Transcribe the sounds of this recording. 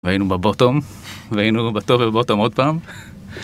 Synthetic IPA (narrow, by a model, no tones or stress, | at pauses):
veainubabot̪om | veainubat̪ovebot̪omod̪̚paːm